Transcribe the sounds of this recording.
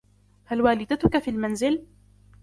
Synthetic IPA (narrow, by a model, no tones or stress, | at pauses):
halwaːlɪd̪at̪ʊkafiːlmanzɪl